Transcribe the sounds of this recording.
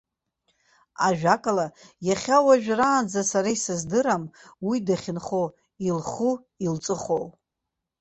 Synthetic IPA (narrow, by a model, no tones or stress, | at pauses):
aʒᶣakʼalajaχʲawaʒᶣraːnd͡zasaɾajsɨzdɨɾamwidaχʲɪnχo | ilχu | ilt͡sʼɨχow